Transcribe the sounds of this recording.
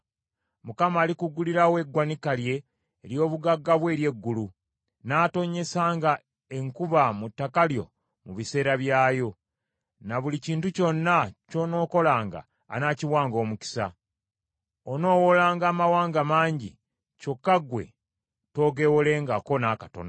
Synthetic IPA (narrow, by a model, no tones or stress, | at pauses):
mukamaːlikuɡuliɾawe̞ɡwanikalje̞ː | ɾjo̞ːβuɡaɡːaβwe̞ːɾje̞ɡːulu | naːto̞ɲe̞saːŋɡa | e̞ŋkuβamutːakaljo̞ | muβise̞ːɾaβjaːjo̞ | naβuliciːntuco̞nːaco̞no̞ːko̞laːŋɡa̰ː | naːciwaːŋɡoːmuki̥sa̰ | ono̞ːwolaːŋɡaːmawaːŋɡamaːɲɟḭ | co̞kːaɡwe̞̰ | to̞ːɡe̞wole̞ːŋɡako̞nakato̰no